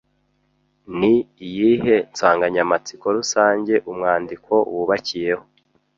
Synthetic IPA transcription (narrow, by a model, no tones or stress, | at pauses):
niijihe̞nt͡saːŋɡaɲamat͡si̥ko̞ɾusaːɲɟe̞ʔumŋaːndiko̞ṵwuβacije̞ho